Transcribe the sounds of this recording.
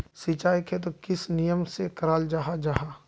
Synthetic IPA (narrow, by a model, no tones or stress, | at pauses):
sit͡ʃaːjkʰet̪̬okɪsnijəmsekəɾaːld͡ʒaːɦad͡ʒaːɦaː